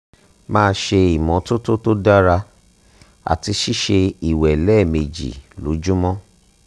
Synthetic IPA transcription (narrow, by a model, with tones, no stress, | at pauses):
mãː˦˧ʃe˧i˨mɔ̃˨˦to˦to˦to˦da˦ɾa˧ | a̰˨ti˧ʃi˦ʃe˧i˨wɛ˨lɛ˦˨me˨d͡ʒḭ˨lo̰˨˦d͡ʒu˦mɔ̃˦